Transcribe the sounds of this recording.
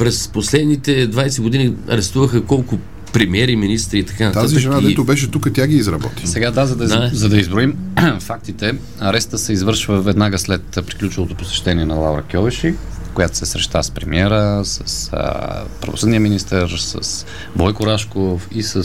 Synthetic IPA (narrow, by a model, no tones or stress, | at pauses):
pɾɛsposlɛd̪nit̪ɛd̪vajsɛɡod̪iniɐ̰ɾɛst̪uvəxəkɔlˠkʊ | pɾɛmiɛɾiminist̪ɾiːt̪ɐ̥kanɐt̪aziʒɛnad̪ɛt̪ʊbɛʃɛt̪ukət̪ʲaɡiːzɾɐb̪ɔt̪i̥sɛɡad̪azɐd̪ɐzɐd̪ɐizbɾoimfak̚t̪it̪ɛ | ɐɾɛst̪əsɛizvɤɾʃvəvɛd̪naɡəslɛt̪pɾiklʲut͡ʃɛlˠot̪opo̥sɛ̥ʃt̪ɛniɛnɐlˠauɾɐ̰kʲjɔvɛʃi | kojat̪o̥sɛsɾɛʃt̪aspɾɛmiɛɾəsəsə̰pɾɐvo̰sɤd̪niəminist̪əɾsə̰s | bɔjkʊɾaʃkofisə